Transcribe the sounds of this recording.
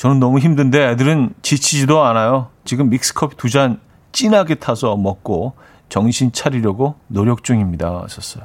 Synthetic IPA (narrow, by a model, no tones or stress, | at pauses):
t͡ɕʌnɯnːʌmuçimdɯnde̞edɯɾɯnt͡ɕit͡ɕʰid͡ʑidoanajot͡ɕiɡɯmːik̚s͈ɯ̥kʰʌpʰitud͡ʑan | t͡ɕ͈inɦaɡe̞tʰasʰʌmʌk̚k͈o | t͡ɕʌŋɕʰint͡ɕʰaɾiɾjʌɡonoɾjʌk̚t͡ɕ͈uŋimɲidaa̰ɕʰʌs͈ʌjo